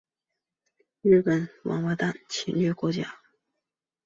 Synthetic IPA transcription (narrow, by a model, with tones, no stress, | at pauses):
ɻ̩˥˩bə˨˩nwɑ̰˧˥ŋwa˥˧˥t̪a˥˩˨nt͡ɕʰḭ˧˥nɥɛ˥˩kwɔ˧˥t͡ɕja̰˥